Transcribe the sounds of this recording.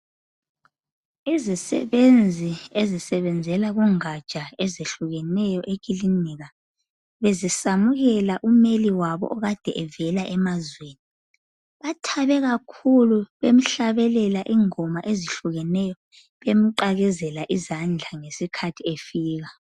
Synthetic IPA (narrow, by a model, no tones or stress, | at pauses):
izisɛ̰βend͡zʱiezisɛβɛnd͡zʱɛlaɣuŋad̥t͡ʃʼaezeɬuɣɛnɛjɔʔek̬ʼiliniɣa | βezisamuɣɛlaʔumeliwaβɔ̰ʔɔɣad̥ʱɛʔɛvɛlaʔɛmazweːni | βatʰaβɛɣakʰuluβem̩ɬaβɛlɛlaʔiŋɔmaʔeziɬuɣɛnɛjɔ | βem̩ǃaɣɛzɛlaʔizand͡ɮʱaŋesikʰatʰiefiːɣa